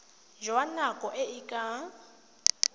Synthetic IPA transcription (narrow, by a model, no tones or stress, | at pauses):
ʒwanakʼɔʔɪikʼa